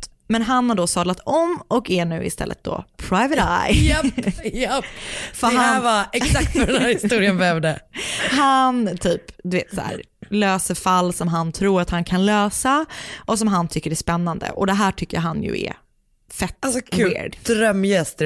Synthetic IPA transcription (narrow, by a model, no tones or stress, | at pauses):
mɛnɦanhaɖoːsɑːd̪lat̪ɔmːɔkæɳʉ̟ːɪ̰st̪ɛ̰lːə̰t̪̚d̪o̰ːpʰɾaɪvət̪a̰jjɛjɛpːfœɾaævaɛksak̚t̪fœɾɖɛnhæːɾhɪst̪uːɾɪənbɛvd̪əɦant̪ʰyːpd̪ɵveːt̪sæ̰ːɾ | løːsəɾfalːsɔmɦant̪ʰɾuːɾat̪hankʰanløːsaʔɔsɔmɦant̪ʰʏkːəɾæspɛnːand̪ə̰ʔɔd̪ɛɦæːʈʰʏkːəja̰ɦanjɵ̰ɛ̰ | fɛt̪ːsʰḛɖd̪̥ɾœmːjɛst̪